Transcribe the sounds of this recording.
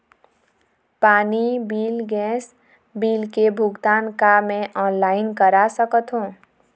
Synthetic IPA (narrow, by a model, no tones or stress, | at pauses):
panibilɡɛ̃s | bilkebʱuɡt̪ankameʔɔnlainkəɾasəkət̪ʰɦũ